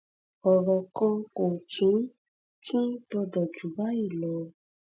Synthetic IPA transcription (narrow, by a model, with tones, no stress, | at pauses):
ɔ˨ɾɔ˨kã˧ko˨t͡ʃũ˨˦ | kĩ˦tɔ˧dɔ˨d͡ʒu˨˦ba˦i˦˨lɔ˨˦